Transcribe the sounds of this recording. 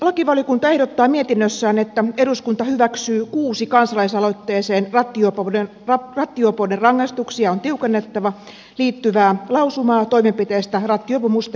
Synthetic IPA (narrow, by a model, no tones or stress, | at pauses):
lɑkiʋɑljokunt̪ɑe̞hdot̪ːɑːmiet̪inːøsːæːnet̪ːæeduskunt̪ɑhyʋæksyːkuːsikɑnsɑlɑisɑlot̪ːeːseːnrɑt̪ːiopone | rɑrɑt̪ːiopoderɑŋːɑist̪uksiɑont̪iukenːet̪ːɑʋɑ | liːt̪ːyʋæːlɑusumɑːt̪oimempit̪eːst̪ærɑt̪ːiopumust̪